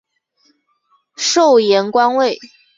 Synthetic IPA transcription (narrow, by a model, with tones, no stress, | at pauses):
ʂo˥˩ʊjɛ˧˥nkwa˥nwe˥˩ɪ